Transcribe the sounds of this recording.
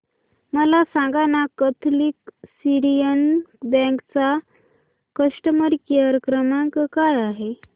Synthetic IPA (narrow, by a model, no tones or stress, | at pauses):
məlasãŋɡanakət̪ʰliːksiɾijənbə̃kt͡sa | kəʂʈəməɾkiəɾkɾəmãkkajaɦe